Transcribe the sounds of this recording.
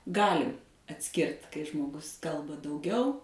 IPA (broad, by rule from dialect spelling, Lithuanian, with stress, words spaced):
ˈɡɑːlʲɪ ɐtʲˈsʲkʲɪrt kɐɪ ʒmoːˈɡʊs ˈkɐlˠbɐ dɐʊˈɡʲɛʊ